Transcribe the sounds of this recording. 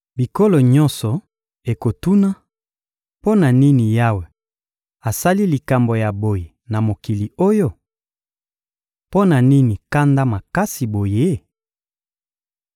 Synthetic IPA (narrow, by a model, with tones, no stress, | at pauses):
bi˨ko˦lo˨ɲɔ̃˦nsɔ˨ | e˨ko˨tu˦na˦ | po˦na˨ni˦ni˨ja˦we˨ | a˨sa˦li˦li˨ka˨mbo˨ja˨bo˨je˨na˨mo˨ki˨li˨o˦jo˦ | po˦na˨ni˦ni˨ka˦nda˦ma˨ka˦si˨bo˨je˦